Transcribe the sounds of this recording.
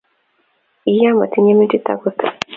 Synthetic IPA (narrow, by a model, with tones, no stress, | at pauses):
i˨ja˦ma˨ti˦ɲe˦mi˦ti˦t̪a̰˨ɡu˦tḁ˨